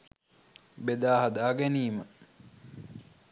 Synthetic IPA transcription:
bed̪aːɦad̪aːɡæniːmə

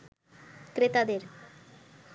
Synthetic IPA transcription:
kɾet̪ad̪eɾ

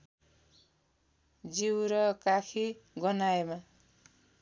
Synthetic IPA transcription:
d͡ziwɾʌkakʰiɡʌnaema

